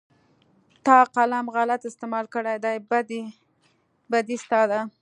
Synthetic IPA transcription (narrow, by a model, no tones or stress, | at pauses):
t̪ɑqalamɣalat̪ɪst̪ɪmɑlkəɽajd̪ajbad̪ | bad̪ist̪ɑd̪a